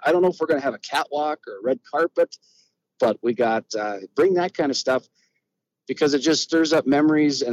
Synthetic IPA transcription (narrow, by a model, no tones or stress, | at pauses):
ʔaɪɾõʊ̃nːoʊəfwəɹɡʌñɨːvɨkʰæʔwɑkə˞ɹɛd̚kʰɑɹpɨt̚ | b̥ʌt̚wiɡɑtʌb̥ɹɪ̃ŋðɨt̚kʰãɪ̃ndʌ̥stʌf | b̥ɨkʰʌzɨt̚d̥ʒ̥ʌststɜ˞zʌp̚mɛmə˞izɨ̃